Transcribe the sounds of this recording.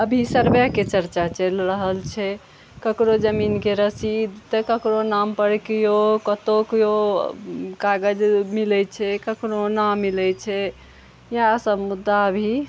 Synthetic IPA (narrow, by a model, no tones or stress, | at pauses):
əbʱisəɾbjaket͡ʃəɾt͡ʃat͡ʃəlɾəɦəlt͡ʃʰɛ | kəkɾod͡ʒəminkeɾəsid̪ʱt̪əkəkɾonampəɾkijokət̪okjo | kaɡəd͡ʒmilɛt͡ʃʰɛkəkɾonamilɛt͡ʃʰɛ | jasəbmud̪ːaəbʱi